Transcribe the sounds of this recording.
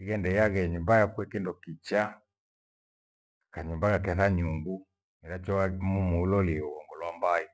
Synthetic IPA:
iɣɛndɛjaɣɛɲumbajakuɛkindɔkit͡ʃa | kaɲumbaɣakɛθaɲuŋɡu | nɛɾat͡ʃɔamumuulɔliɛuwɔŋɡɔlwambaɛ

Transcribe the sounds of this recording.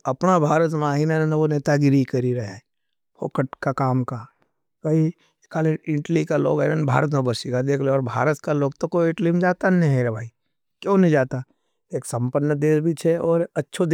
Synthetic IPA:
ɐpnabʱaːɾət̪maːɦinanənʋoneːt̪aɡɪɾikɐɾiɾɐɦa | po̰ːkəʈkakaːmka | kɐi | kaːlẽɪ̃ʈlikalo̰ːɡɛnənbʱa̰ːɾət̪̬mẽbəsikad̪eːkʰleɔːɾbʱa̰ːɾət̪kaloːɡt̪okoɪʈlimd͡ʒaːt̪anẽɦeɾabʱaːi | kjõːnĩd͡ʒaːt̪a | eːksə̃mpənːəd̪eːsbʱit͡ʃʰɛɔːɾɐtːʃʰod̪

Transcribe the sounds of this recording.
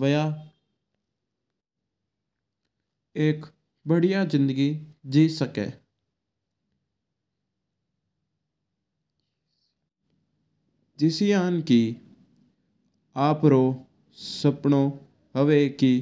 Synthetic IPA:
ʋəjaː | ek | bəɽijaːd͡ʒɪnd̪əɡiːd͡ʒiːsəkɛḛː | d͡ʒɪsiːaːənki | aːpɾoː | səpɳoː | ɦəʋeːkiː

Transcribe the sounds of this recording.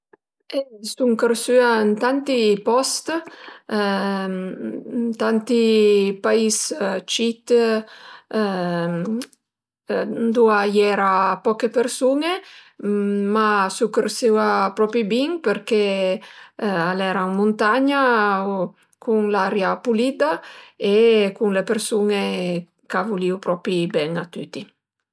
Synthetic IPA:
esuŋkəɾsyant̪ant̪ipɔst̪ | nt̪ant̪ipaist͡ʃit̪ | nd̪uajɛɾapɔkepeɾsune | masukeɾsewapɾɔpɾibiŋpeɾke | alɛɾaŋmunt̪aɲa | kʰuŋlaɾjapulid̪aekuŋlepeɾsune | kavuliwpɾɔpibɛŋat̪yt̪i

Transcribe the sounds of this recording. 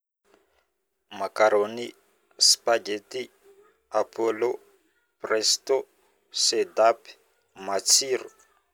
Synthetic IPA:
makaɾoni | spad͡ʒeti | apʰolo | prɛsto | sed̪ap | mat͡sʰiɾo

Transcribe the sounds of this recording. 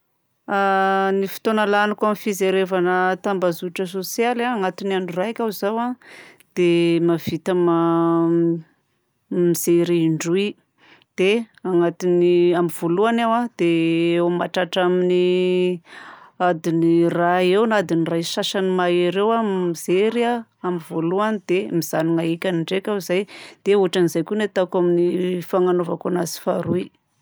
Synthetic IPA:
anifi̥t̪onəlanikamifizeɾevanət̪ambazuʈ͡ʂəsosjalaaŋat̪inaɳuraakʲawzawa | d̪̥emav̥it̪ama | miz̥eɾeiɳɖ͡ʐui | d̪̥eaŋat̪iniamiv̥oluanawad̪̥eewmaʈ͡ʂaʈ͡ʂamini | ad̪iniraewnad̪inirajʃaʃanimaiɾewamizeɾiaamivoluanid̪̥emiz̥aniŋaekʲaniɳɖ͡ʐekʲaizajd̪̥euaʈ͡ʂanizajkʲunet̪akaminifaŋanovakonazi̥faɾui

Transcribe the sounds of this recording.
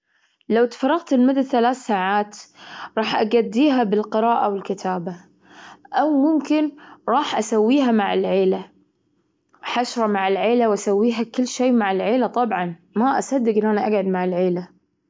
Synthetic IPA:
lawt̪fɑɾˤːɑɣt̪ɪlmʊd̪ːaθalaːθsaːʕaːt̪ɾˤɑːħʔaɡad̪ːiːɦabɪlqɨɾɑːʔawɪlkɪt̪ʰaːba | ʔawmʊmkɪnɾˤɑːħʔasawːiːɦamaʕɪlʕeːla | ħaʃɾˤɑmaʕɪlʕeːlawʔasawːiːɦakɪlːʃejːmaʕɪlʕeːlat̪ˤɑbʕɑnmaʔasad̪ːɪɡʔɪnːʔanaʔaɡʕʊd̪maʕɪlʕeːla

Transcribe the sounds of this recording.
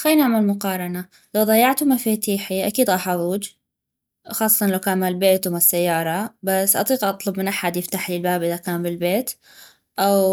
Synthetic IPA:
xaːnaʕmalmʊqɑːɾˤɑna | lawðˤɑjːɑʕt̪umafit̪iːħiʔakiːd̪ʔɑħɑðˤuːd͡ʒ | xɑːsˤːɑ̥t̪ɑnlawkaːnmaːlbeːt̪wmasːajːɑːɾˤɑbasːʔɑ̰t̪ˤiːqʔɑt̪ˤlʊbmɪnʔaħad̪jɪft̪aħlilbaːbʔɪðakaːnbɪlbeːt̪ | ʔaw

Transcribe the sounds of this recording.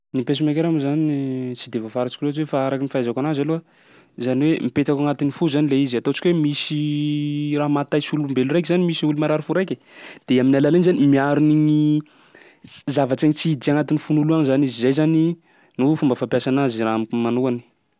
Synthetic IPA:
nipesimek̬eɾamuzant͡sid̪evafaɾat͡ʃi̥kiloat͡ʃwefaaɾakinifazakanazaluə | zaniwemipet̪akaŋat̪inifuzanileiziat̪ot͡ʃi̥kʲwemisi | raɦmat̪ajsiulumbelurajkzanimisiulumaɾaɾifuɾajkʲe | d̪̥eaminalalenizanimiaɾuniɲi | zavaʈ͡ʂaŋit͡sid̪iaŋat̪inifunuluanzanizizajzani | nufumbəfampjasanaziɾammanukani̥

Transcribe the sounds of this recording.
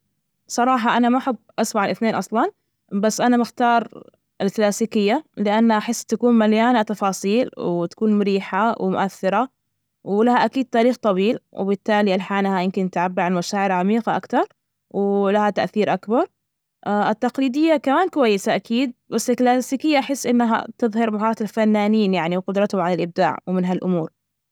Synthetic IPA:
sˤɑɾˤɑːħɑʔanamaʔaħɪbːʔɑsbaʕalʔɪθneːnʔɑsˤlɑn | basːʔanamaxt̪ɑːɾˤ | ɪlklaːsiːkɪjːalɪʔanːaʔaħɪsːt̪akuːnmaljaːnat̪ɑfɑːsˤiːlwt̪ḁkuːnmʊɾiːħawɪmʊ̰ʔaθːɪɾˤɑ | wlahaʔakiːd̪̚t̪aːɾiːxt̪ˤɑwiːlwɪ̰bɪt̪ːaːlialħaːnhajɪmkɪnt̪ʕabːɪɾʕanmaʃaːʕɪɾʕamiːqɑʔa̰kt̪ɑɾˤ | wɪlahat̪aʔθiːɾʔakbɑɾˤ | ʔaʔɪt̪ːɑqliːd̪ɪjːakamaːnkʊwajːɪsaʔakʰiːd̪̚basːɪlklaːsiːkɪjːaʔaħɪsːʔɪnːɦa̰t̪ɨðˤhɑɾmaɦɑːɑt̪alfanːaːniːnjaʕniwqʊd̪ɾˤɑt̪hʊʕalalʔɪb̚d̪a̰ːʕwmɪnɦalʔʊmuːɾ

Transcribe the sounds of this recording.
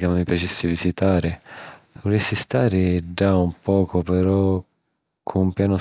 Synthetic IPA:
kamːipjat͡ʃesːivizit̪aːɾɪvolɛsːist̪aːɾɪd͡ʒaumpɔːkʰopeɾɔ | kʰoumpjaːno

